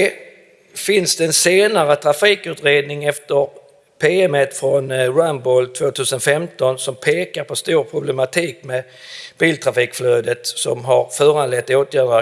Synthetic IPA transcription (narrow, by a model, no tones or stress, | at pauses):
ɛ | fɪnsd̪̥ɛɛnseːnaɾət̪ʰɾafiːkʉ̟ːt̪ɾeːd̪nɪŋɛft̪əɾ | pʰeːɛmət̪fɾɔnɾanbɔlt̪ʰvoːt̪ʰʉ̟ːsənfɛmt̪ɔnsɔmpʰeːkaɾpʰɔst̪uːɾpʰɾʊblɛmat̪ʰiːkmɛ | b̥iːlt̪ʰɾafiːkfløːd̪ət̪sɔmɦaɾfœːɾanlɛt̪ːoːt̪ʰjæːɾa